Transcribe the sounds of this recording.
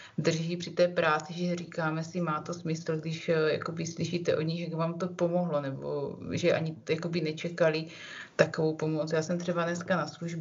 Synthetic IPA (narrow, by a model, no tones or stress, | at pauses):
d̪r̩ʒiːpr̝̥ɪt̪ɛːpɾaːt͡sɪʒɛriːkaːmɛsɪmaːt̪o̞smɪsl̩ɡdɪʃja̰ko̞bɪsliʃiːt̪ɛʔo̞dɲixʒakvaːmt̪o̞po̞mo̞ɦlo̞nɛbo̰ʒɛʔa̰ɲɪjako̞bɪnɛt͡ʃɛkalɪ | t̪akovowpo̞mo̞t͡sjaːsɛmt̪r̥ɛbanɛskanasluʒb